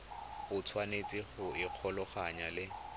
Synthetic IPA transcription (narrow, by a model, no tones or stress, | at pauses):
ʊt͡sʰwanet͡sʼiχʊɪq͡χʰɔlɔχaɲalɪ